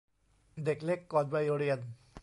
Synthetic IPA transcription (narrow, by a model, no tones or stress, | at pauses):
d̪eklekːɔt̪̚bajoɽijən